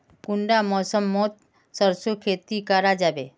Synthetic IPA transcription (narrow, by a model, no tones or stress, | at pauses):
kuɳɖamɔsəmːot̪ | səɾsokʰet̪ikaɾad͡ʒabe